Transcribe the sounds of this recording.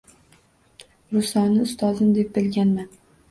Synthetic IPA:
ɾʊsɒnɪʊst̪ʰɒzɪmd̪e̞p̚bɪlɡʲanman

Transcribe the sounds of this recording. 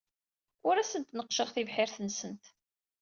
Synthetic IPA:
ʊɾæsənt̪nəqʃəʁθivħɪɾθənsənt̪

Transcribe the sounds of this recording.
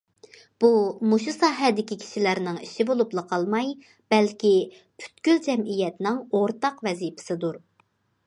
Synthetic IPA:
b̥umuʃusɑːɦɛd̪ɪkʲikʲʰi̥ʃilæɾnɪŋiʃibolˠuplˠəqʰɑlˠmɑj | b̥ɛlkʲi | pʰy̥t̪kʲyld͡ʒɛmijɛt̪nɪŋoɾt̪ɑqvɛzipʰɪ̥sɨd̪uɾ

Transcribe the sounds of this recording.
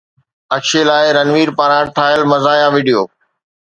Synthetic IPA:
ɐkʃelaːɪɾɐnʋiːɾpaːɾãʈʰaːjəlmɐzaːjãʋiːɖijoː

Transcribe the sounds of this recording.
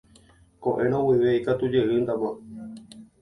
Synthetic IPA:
koʔẽ̞ɾ̃õwiʋeikat̪ud͡ʒe̞ɨnd̪amã

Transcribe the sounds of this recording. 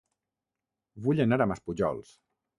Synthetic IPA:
βuʎənaɾəməspuʒɔ̰lˠs

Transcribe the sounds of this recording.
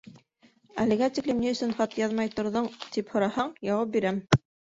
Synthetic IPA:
æ̰lɘ̆ɡæt̪ʲiklɘmniɵ̆sɵnχɑt̪jɑðmɑjt̪ŏɾðɤɴt̪iphŏɾɑhɑɴjɑwɑp̚biɾæm

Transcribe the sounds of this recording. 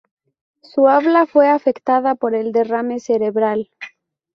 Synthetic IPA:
suaβlafwe̞afe̞kt̪aðapo̞ɾe̞ld̪e̞rame̞seɾe̞βɾal

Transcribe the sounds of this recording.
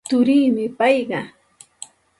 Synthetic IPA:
t̪ʊɾiːmɪpɑjɢɑ

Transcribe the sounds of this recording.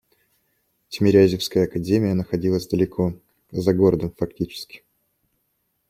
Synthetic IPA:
tʲɪmʲɪɾʲæzʲɪfskəjəɐkɐdʲemʲɪjənəxɐdʲilˠəzʲd̪əlʲɪkʰo̞ | zɐɡo̞ɾəd̪əmfɐk̚tʲit͡ɕɪ̥skʲɪ̥

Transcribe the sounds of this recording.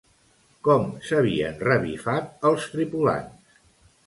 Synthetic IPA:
kɔmsəβ̞iə̰nrəβifat̪̚əlˠst̪ɾipula̰ns

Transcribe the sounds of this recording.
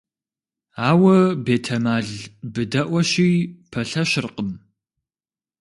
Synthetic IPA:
aːwɐbeːtʰɐmaːɮbɨdɐʔʷɐʃiːpʰɐɬɐʃɪrqəm

